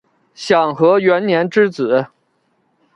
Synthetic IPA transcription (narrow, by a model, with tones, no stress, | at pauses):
ɕjɑ˨˩ŋxɤ˧˥ɥɛ˧˥nnjɛ˧˥nʈ͡ʂɻ̩˥t͡sɹ̩˨˩˦